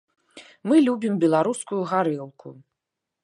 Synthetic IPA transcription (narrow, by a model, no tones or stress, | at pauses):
mɨlʲubʲimbʲɛlˠaɾuskujuɣaɾɨlˠku